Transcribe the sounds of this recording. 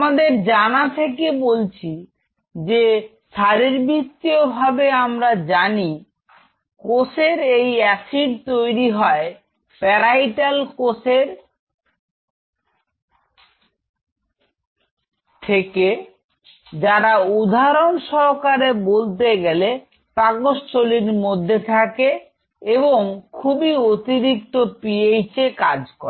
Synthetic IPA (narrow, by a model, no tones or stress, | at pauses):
mad̪eɾd͡ʑanat̪ʰekebolt͡ɕʰi | d͡ʑe | ʃaɾiɾbit̪ːiobʱabeamɾad͡ʑani | koseɾejɛsiɖt̪ojɾiɦɔe | pɛɾajʈalkoseɾ | t̪ʰeke | d͡ʑaɾaud̪ʱaɾonʃɔɾkaɾebolt̪̬eɡɛle | paɡoʃt͡ɕoliɾmod̪ʱːet̪ʰake | eboŋkʰubiot̪iɾik̚t̪opiejt͡ɕekad͡ʑkɔ̰ɾe